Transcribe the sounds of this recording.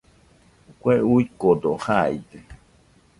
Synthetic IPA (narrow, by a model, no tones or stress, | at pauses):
kʷeuikod̪ohaj̰d̪e